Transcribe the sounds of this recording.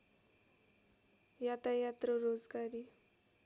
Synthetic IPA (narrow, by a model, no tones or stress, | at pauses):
jat̪ajat̪ɾəɾod͡zɡaɾi